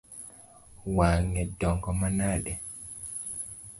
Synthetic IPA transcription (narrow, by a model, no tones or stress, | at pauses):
waːŋɛdɔŋɡɔmanaːɗɛ